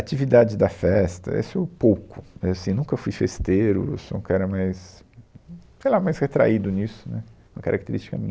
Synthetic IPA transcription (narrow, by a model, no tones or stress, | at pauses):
at͡ʃivid̪ad͡ʒɪd̪ɐfɛst̪ɐ̰ḛsʊewpowkʊewasĩnũkɐefujfest̪eɾʊ̰esoũkɛɾɐmajs | sejlamajsʁet̪ɾa̰id̪ʊnisʊ̥nɛũmɐkaɾʔak̚t̪eɾist͡ʃikɐ̰mĩɲɐ